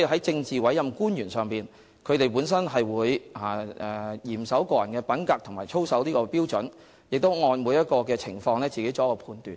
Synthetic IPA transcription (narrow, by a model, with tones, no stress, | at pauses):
i˨ɦɐ˨˥jt͡sɪ˧ŋt͡siː˨wɐ˨˥jɐ˨mkuː˥njyː˨˩nsœː˨ŋpiː˨˩n | kʰɵ˨˧ɥt̪e˨jpuː˨˥ns̬ɐ˥nɦɐ˨jwuː˨˧jaː˨˩ɛː˨˩jiː˨˩msɐ˨˥wkɔː˧jɐ˨˩nkɛː˧pɐ˨˥nkaː˧k̚t̪ʰŋmaː˨˩jt͡ʃʰo˥wsɐ˨˥wliː˥kɔː˧piː˥wt͡sɵ˨˥n | jɪ˨k̚t̪o˥wŋɔː˧nmuː˨˧jɐ˥t̚kɔː˧kɛː˧t͡sʰɪ˨˩ŋfɔː˧ŋlɛː˥t͡siː˨ke˨˥jt͡sɔː˨˥kɔː˧pʰuː˧nt̪yː˨˩n